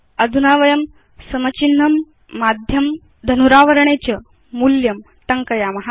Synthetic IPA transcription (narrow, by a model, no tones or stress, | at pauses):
ɐd̪ʱunaʋɐjɐm | sɐmɐt͡ɕinːɐmː | ad̪ʱjɐm | d̪ʱɐnuɾaːʋəɾɳet͡ɕɐ | muljɐm | t̪ɐŋkɐjamɐɦa